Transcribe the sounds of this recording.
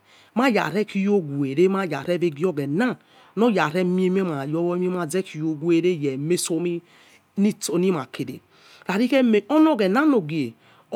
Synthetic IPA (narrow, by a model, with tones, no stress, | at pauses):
ma˦ja̰˨ɾe˦ki˦jo˦ɡu˨e˨ɾe˦ma˦˨ja̰˨ɾe˦ve˦ɡi˦o˦ɡe˨na˦ | no˦ja˨ɾe˦mi˦e˦me˦ma˨jo˦wo˦m˦e˦ma˨ze˦ki˨jo˦ɡu˦e˦ɾe˦˨je˨me˦so˦mi˦ | ni˦to˨ni˦ma˨ke˨dḛ˨ | ɾa˨ɾi˦ke˦me˨o˦n˦o˦˨ɡe˨na˦no˨ɡi˨e˨